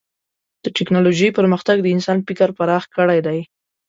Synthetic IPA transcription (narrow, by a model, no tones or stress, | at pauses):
d̪̥əʈɪknɑloʒəjpəɾməxt̪aɡd̪əɪnsɑnfikaɾpaɾɑxkəɽajd̪aj